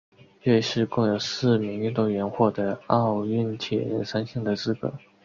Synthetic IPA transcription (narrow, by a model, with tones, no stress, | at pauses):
ɛ˥˧ɪʂɻ̩˥˧kʊ˥˩ŋjo˨˩ʊsɹ̩˥˩mi˧˥ŋy˥˧nt̪o˥˩ɥɛ˧˥nxwɔ˥˩d̪ə˩ɑ˥˧ʊy˥˩nt̪ʰjɛ̰˨˩ɻə˧˥nʂa˥nɕi˥˩ŋd̪ə˩t͡sɹ̩˥kə̰˨˩˦